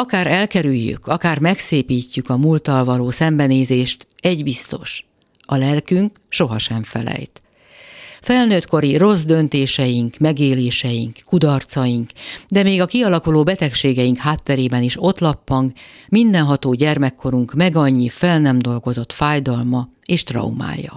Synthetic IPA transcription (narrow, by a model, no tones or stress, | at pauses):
ɒkaːɾɛlkɛɾyjːy̰kʰɒkaːrmɛkseːpiːcːykɒmuːlt̪ɒlvɒloːsɛmbɛneːzeːʃt̪ɛɟbist̪o̞̰ʃ | ɒlɛlkyŋk | ʃo̞ɦɒʃɛɱfɛ̰lɛ̰jt̪ | fɛlnøːt̪ko̞ɾiro̞zd̪ønt̪eːʃɛjiŋkmɛɡeːleːʃɛjiŋkkːud̪ɒrt̪sɒjiŋkd̪ɛmeːɡɒkiɒlɒkuloːbɛt̪ɛkʃeːɡɛjiŋkhaːt̪ːɛɾeːbɛniʃo̞t̪lɒpːɒŋkmind̪ɛnɦɒt̪oːɟɛrmɛkʰːo̞ɾuŋkmɛɡɒɲːifɛlnɛmd̪o̞lɡo̞zo̞t̪faːjd̪ɒlmɒ | eːʃt̪rɒ̰uma̰ːjɒ̰